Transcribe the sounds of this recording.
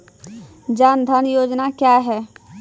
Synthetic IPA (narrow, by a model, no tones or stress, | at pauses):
d͡ʒaːnd̪ʱənjoːd͡ʒnakjaɦɛ